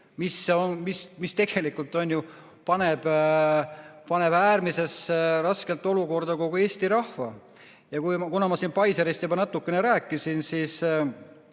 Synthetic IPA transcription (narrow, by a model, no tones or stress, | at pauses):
misːeonmismist̪e̞ɡ̥e̞likːˑult̪ːˑo̞nʲju | pɑne̞b̥ | pɑne̞b̥æːrmise̞srɑske̞lt̪ːˑo̞luko̞rd̪ɑko̞ɡ̥ue̞ːst̪iɾɑhvɑ | jɑkujmɑkunɑmɑsinpɑjseɾest̪jubɑnɑt̪ːˑukːe̞ne̞ɾæːkˑːisinsis